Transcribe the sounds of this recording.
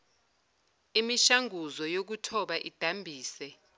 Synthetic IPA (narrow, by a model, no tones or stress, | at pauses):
imiʃaŋuzɔjok̬utʰɔɓaʔid̥ʱambʱiːsɛ